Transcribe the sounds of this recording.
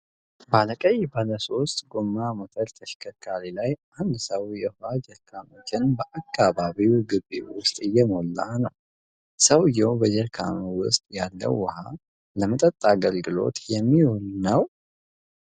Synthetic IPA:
baləkʼəjbaləso̞st̪ʼɡomːamət̪ʰəɾt̪ʰəʃkʰəkʰːaɾilaj | and̪səwjɛhhad͡ʒəɾkʰamot͡ʃːɪnbəʔakʰːaβaβiwɡɨβḛwʊst̪ʼɨjːɛmo̞lːa̰nəw | səwjɛwbəd͡ʒəɾkʰamwʊ̰st̪ʼjalːə̰wːɔha | ləmət̪ʼət̪ʼːaɡəlɡɨlo̞̰t̪jɛmːihonnəw

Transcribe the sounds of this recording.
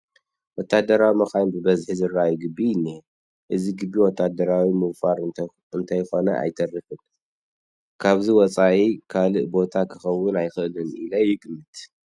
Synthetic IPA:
wɔt̪ʰːad̪ɐɾawimɐxajnbɨbɐzħizɨrːajuɡɨbːinːe | ʔɨziɡɨbːiwɔt̪ʰːad̪ɐɾawimɨɣfaɾ | ɨnt̪ʰɐjxo̞nɐ̰ʔa̰jt̪ʰɐrːɨħɨn | kʰaβziwɔt͡sʼaʔikʰalɨʔbo̞t̪ʰakʰɨxɐwːʊnajxɨʔlɨnilɐjːɪɡɨmːɨt̪

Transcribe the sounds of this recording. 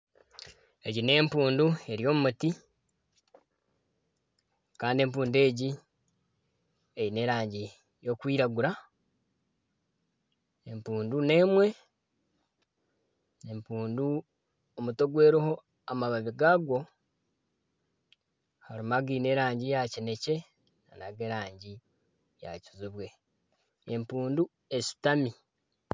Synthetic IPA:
e̞ɟine̞ːmpuːndue̞ɾijo̞ːmumuti | kaːndie̞mp̬uːndue̞ːɟi | ejine̞ːɾaːɲɟi | jo̞kwiːɾaɡuɾa | empuːndune̞ːmwe̞ | nempuːndu | omuto̞ɡwe̞ːɾiho̞ | amaβaβiɡaːɡwo̞ | haɾumaɡiːne̞ɾaːɲɟijacine̞ce̞ | na̰naɡe̞ɾaːɲɟi | ja̰ciziβwe̞ | empuːndu | e̞si̥tami

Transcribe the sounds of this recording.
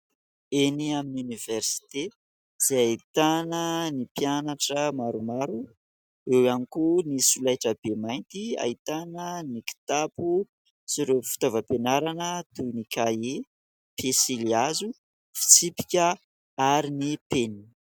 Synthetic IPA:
eniaminuniversi̥t̪e | z̥eait̪anənipjanaʈ͡ʂəmaɾumaɾu | ewanikunisulajʈ͡ʂəbemajnt̪ia̰it̪anəniki̥t̪apu | siɾefi̥t̪ovəpenaɾanət̪unikae | pʰesiliazu | fi̥t͡sipi̥kʲə | aɾinipenin

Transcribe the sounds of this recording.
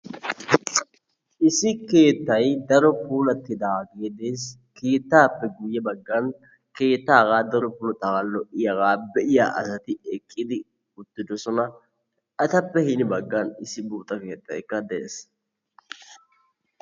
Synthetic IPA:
ʔɪsɪke̞ːt̪ːɐjd̪ɐɾɔpuːlɐt̪ːɪd̪aːɡeːd̪e̞ːs | ke̞ːt̪ːaːpːɛɡʊjːɛbɐɡːɐn | ke̞ːt̪ːaːɡaːd̪ɐɾɔpʊlɔt̪ʼaɣɐlːɔʔɪjɐɡaːbɛʔɪja̰ːʔɐ̰sɐt̪ɪɛkʼːɪd̪ɪ | ʊt̪ːɪd̪ɔsɔnɐ | ɐt̪ɐpːɛhɪnɪbɐɡːɐnɪsɪbuːt̪ʼːɐke̞ːt̪ːɐ̰jkːɐd̪ɛ̰s

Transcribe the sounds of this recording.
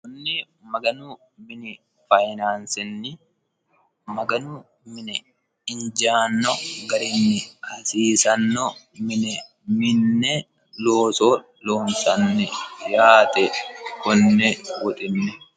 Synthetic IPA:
kɔnːɪ | mɐɡɐnuː | mɪnɛ | fɐjnaːnsɛnːɪ | mɐɡɐnuː | mɪnɛ | ɪɲd͡ʒaːnːɔɡɐɾɪnːɪhɐsiːsɐnːɔ | mɪnɛ | mɪnːɛ | loːsoː | loːnsɐnːɛjaːt̪ɛkɔnːɛwɔt̪ʼɪnːɛ

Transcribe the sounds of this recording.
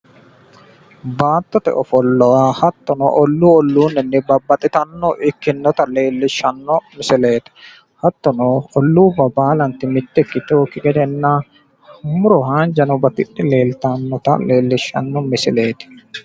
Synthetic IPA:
baːt̪ːɔt̪ɛ̰ʔɔfɔlːɔwaːhɐt̪ːɔnɔ̰ʔɔlːuɔlːuːnːɛnːɛbɐbːɐt̪ʼɪt̪ɐnːɔʔɪkːɪnːɔt̪ɐle̞ːlːɪʃːɐnːɔmɪsɪle̞ːt̪ɪ̥ | hɐt̪ːɔnɔɔlːuːbɐbaːlɐnt̪ːɪmɪt̪ːɛkːɪt̪okɪɡɛd̪ɛnːa | mːʊɾɔhaːnd͡ʒɐnɔbɐt̪ɪɗːɪle̞ːlt̪anːɔt̪ɐ̰le̞ːlːɪʃːɐ̰nːɔmɪsɪle̞ːt̪ɪ̥

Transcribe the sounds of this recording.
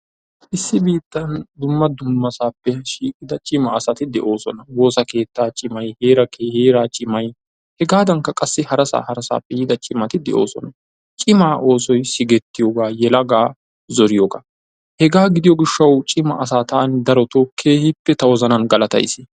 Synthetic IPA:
ʔɪsːɪbiːt̪ːɐnd̪ʊmːɐd̪ʊmːɐsaːpːɛʃiːkʼɪd̪ɐt͡ʃʼɪmɐːsɐt̪ɪd̪ɛʔo̞ːsɔ̰nɐwo̞ːsɐke̞ːt̪ːaːt͡ʃʼɪmɐjheːɾɐkʰeːheːɾaːt͡ʃʼɪmɐj | hɛɡaːd̪ɐŋkːɐkʼɐsːɪhɐɾɐsa̰ːhɐɾɐsa̰ːpːɛjɪd̪ɐt͡ʃʼɪmɐt̪ɪd̪ɛʔo̞̰ːsɔ̰nɐ | t͡ʃʼɪmaːʔo̞ːsɔjsɪɡɛt̪ːɪjoːɡaːjɛlɐɡaː | zɔɾɪjoɡa̰ː | hɛɡaːɡɪd̪ɪjɔɡɪʃːɐwt͡ʃʼɪmɐʔɐs̬aːt̪aːnd̪ɐɾɔt̪okʰe̞ːhɪpːɛt̪ɐwɔzɐnɐnɡɐlɐt̪ɐ̰jsɪ

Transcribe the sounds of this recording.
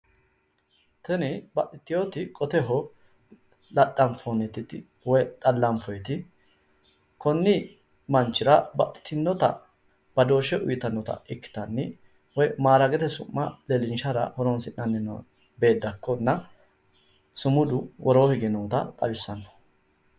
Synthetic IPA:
t̪ɛnɪbɐʔɪt̪ːɪjoːt̪ɪkʼɔt̪ɛɦɔ | lɐtʼːɐnfonɛt̪ːɪt̪ɪ | wɔjt̪ʼɐlːɐmfɔjt̪ɪ | kɔnːɪ | mɐnt͡ʃːɪɾɐbɐʔɪ̥t̪ɪnːɔt̪ɐ̰ | b̥ɐd̪o̞ːʃɛʔʊ̰jɪt̪ɐnːɔt̪ɐ̰ɪkːɪ̥t̪ɐnːɪ | wɔjmaːɾɐɡɛt̪ɛsʊ̰mːɐ̰lɛlɪnʃɐɾɐ̰hɔɾɔnsɪnːɐnːɪnːɔ̰ | be̞ːd̪ːɐkʰːɔnːɐ | sʊmʊd̪ʊwʔɔɾoːhɪɡɪnoːt̪ɐ̰t̪ʼɐ̰bɪsːɐnːɔ̥

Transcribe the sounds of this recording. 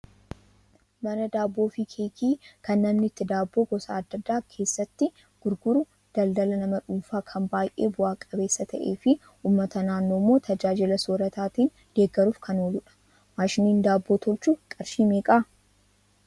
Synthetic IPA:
mɐnɐd̪aːbːo̞ːfɪkʰeːkiːkɐnːɐmnɪt̪ːɪd̪aːbːo̞ːɡɔsa̰ːɐd̪ːɐd̪ːaːkʰe̞ːsːɐt̪ːɪ | ɡ̥ʊɾɡʊɾʊ | d̪̥ɐld̪ɐlɐnɐmɐᶑuːfaːkʰɐmbaːjʔeːbʊaːkʼɐbe̞ːsːɐt̪ʰɐʔe̞ːfɪ | ʔuːmːɐt̪ɐnaːnːo̞ːmːoːt̪ʰɐd͡ʒaːd͡ʒɪlɐsoɾɐt̪aːt̪iːn | d̪̥e̞ːɡːɐɾuːfkʰɐno̞ːlʊᶑɐ̥ | maːʃɪniːnd̪aːbːoːt̪ɔlt͡ʃuːkʼɐɾʃiːmeːkʼɐ

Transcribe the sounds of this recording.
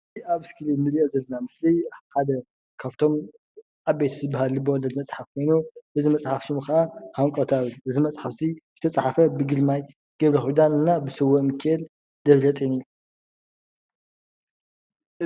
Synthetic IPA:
aβɨskʰɨlinɨɾiʔozɐlːɐnamɨsliħad̪ɐ | kʰaβt̪ʰo̞m | ʔabet̪zɨbːahalɨbɨwɔlɐd̪mɐt͡sʼħafkʰo̞jnuʔɨzimɐt͡sʼħafsumxɐʔahaŋkʼot̪ʰaβɨlʔɨzimɐt͡sʼħafsizɨt̪ʰɐt͡sʼħafɐbɨɡɨlmaj | ɡ̥ɐβlɐxd̪anlɨnabɨsɨwomɨkʰel | d̪ɐβlɐt͡sʼinij

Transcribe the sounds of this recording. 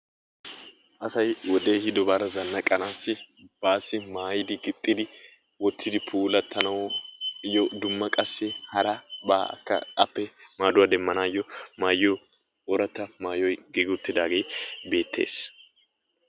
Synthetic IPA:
ʔɐsɐjwɔd̪e̞ːhɪd̪ɔbaːɾɐzɐnːɐkʼɐnaːsːɪ | b̥aːsːɪmaːjɪd̪ɪɡɪt̪ʼːɪd̪ɪ | wɔt̪ʰːɪd̪ɪpʰuːlɐt̪ʰːɐnɐwjːɔd̪ʊmːɐkʼɐsːɛhɐɾɐba̰kːɐ̰ɐpːɛmaːd̪ʊwad̪ɛmːɐnaːjːɔmaːjːɔ | ɔɾɐt̪ːɐmaːjɔjɡɪɡɪʊt̪ːɪd̪aːɡe̞ːbe̞ːt̪ʰːe̞̰ːs

